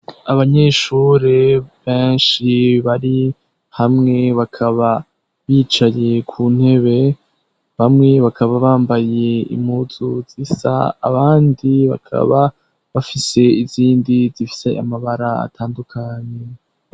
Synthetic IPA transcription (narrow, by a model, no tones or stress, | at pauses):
aβaɲe̞ʃuːɾeβeːnʃiβaɾi | hamŋe̞βakʰaβa | βiːt͡ʃaje̞kʰuːn̥he̞βe̞ | βamŋe̞βakʰaβaβaːmbaje̞ḭmhuz̥uz̥isa̰ːβaːndiβa̰kʰa̰βa | βafise̞iziːndizifi̥se̞ʔa̰maβaɾaa̰tʰaːndukʰaɲe